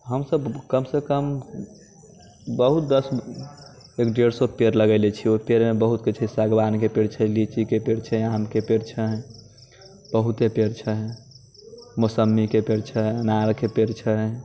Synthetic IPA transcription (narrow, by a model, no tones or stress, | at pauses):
ɦəmsəbkəmsekəm | bəɦut̪̚d̪əs | ekɖeɽsopeɾləɡəlɛt͡ʃʰiopeɾmebəɦut̪̚kit͡ʃʰəsaɡbankepeɾt͡ʃʰəlit͡ʃikepeɾt͡ʃʰəamkepeɽt͡ʃʰəɦ | b̥əɦut̪epeɾt͡ʃʰəɦ | mosəmːikepeɾt͡ʃʰəɦnaɾkepeɾt͡ʃʰəɦɛ